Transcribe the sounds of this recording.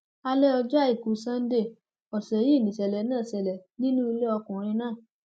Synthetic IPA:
a˧lɛ˦ɔ˧d͡ʒɔ˦i˦˨ku˨˦sã˦n̩˦de˦˨ | ɔ˨sɛ˨˦ji˦˨nĩ˨sɛ˨lɛ˨˦nãː˦˨sɛ˨lɛ˨nĩ˦nũ˦i˧le˦ɔ˧kũ˨ɾ̃ĩ˧nãː˦˨

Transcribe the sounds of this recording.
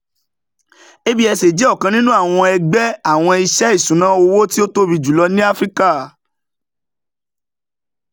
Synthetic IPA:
e˦bi˦ɛ˧se˨d͡ʒɔ˦˨kã˧nĩ˦nũ˦a˦˨w̃ɔ̃˧ɛ˧ɡ͡bɛ˦a˦˨w̃ɔ̃˧i˧ʃɛ˦i˦˨sũ˨˦nã˦o˧wo˦ti˦o˦to˦bi˧˨d͡ʒu˨lɔ˧˦nĩ˦a˦fɾi˦ka˦˨

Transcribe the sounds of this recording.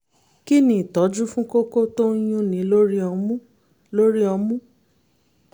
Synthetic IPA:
ki˦nĩ˨tɔ˨˦d͡ʒu˦fũ˦ko˦ko˦to˦j̃ũ˧nĩ˨˦lo˦ɾi˦ɔ˧mũ˦ | lo˦ɾi˦ɔ˧mũ˦

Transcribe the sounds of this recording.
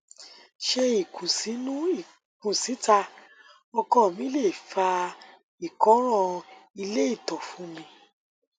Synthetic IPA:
ʃe˦i˨kʰũ˨si˨˦nũ˦˨ | kũ˨si˨˦ta˧ | ɔ˧kɔ˦˨mĩ˨˦le˦˨fa˧ | i˨kɔ̃˨˦ɾ̃ɔ̃˦˨i˧le˦i˦˨tɔ˨fũ˨˦mĩ˧

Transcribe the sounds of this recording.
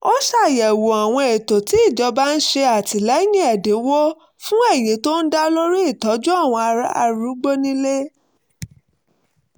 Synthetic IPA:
o˦ʃa˦˨jɛ˨wo˨a˨w̃ɔ̃˧e˨to˨ti˨˦i˦˨d͡ʒɔ˧ba˦n̩˦ʃe˧a˨ti˨lɛ˨˦jĩ˦ɛ˨de˨˦wo˦ | fũ˦e˦˨jĩ˨˦to˦n̩˦da˦lo˦ɾi˦i˦˨tɔ˨˦d͡ʒũ˦a˦˨w̃ɔ̃˧a˧ɾa˦a̰˧ɾu˨˦ɡ͡bo˦nĩ˦le˦

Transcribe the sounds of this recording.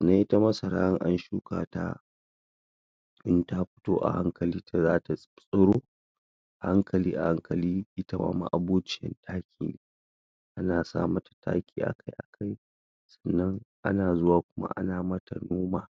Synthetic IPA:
na˦ji˦ta˦mɐ˦sɐ˨ɾa̰ː˦ɾɪ˦ŋʔa˦nʃuː˦ka̰ː˨ta̰˦ | ʔɪ˦nta˦ɸɪ̥˦toː˦ʔa̰˨ha˦ŋkɐ˨liː˦ta˨zaː˦ta˨ | sʼʊ˦ɾoː˦ | ʔa˨ha˦ŋkʰɐ˨liː˦ʔa˨ha˦ŋkɐ˨liː˦ʔɪ˦ta˦wa̰ː˦ma̰˦˨ʔa˨buː˦t͡ʃɪ˦jɛ̰˦ntʰaː˦kʲʰḭː˦ | ʔa˦naː˨sa̰ː˦mɐ˦tḁ˨tʰa̰ː˦kʲiː˨ʔa̰˨kʰa˦jʔa˨kʰa˦j | sɐ̥˨nːɐ˦ŋʔa̰˦naː˨zʊ˦waː˨kʷʊ˦ma̰˦ʔa̰˦naː˨mɐ˦ta˨noː˦maː˨

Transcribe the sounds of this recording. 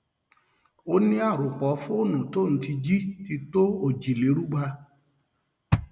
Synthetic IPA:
o˦nĩ˦a˦˨ɾu˨k͡pɔ˨˦fũ˦o˦˨nũ˨to˦˨n̩˨˦ti˧d͡ʒi˦ti˧to˦o˦˨d͡ʒi˨le˨˦ɾu˦ɡ͡ba˧

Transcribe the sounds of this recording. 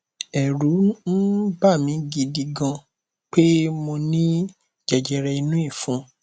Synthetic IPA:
ɛ˨ɾu˨˦n̩˦ba˦˨mĩ˨˦ɡi˧di˧ɡã˧ | k͡pe˦mo˧nĩ˦ | d͡ʒɛ˨d͡ʒɛ˧ɾɛ˧i˧nũ˦i˦˨fũ˨˦

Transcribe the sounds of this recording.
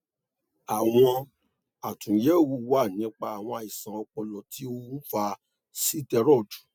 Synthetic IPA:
a˨w̃ɔ̃˧ | a˨tũ˨je˨˦˨wu˧wa˦˨nĩ˦k͡pa˧a˨w̃ɔ̃˧a˧˨i˨sã˨ɔ˧k͡pɔ˧lɔ˨tʰi˨˦o˦wu˦fa˧ | si˦tɛ˧ɾɔ˦˨d͡ʒu̥˨

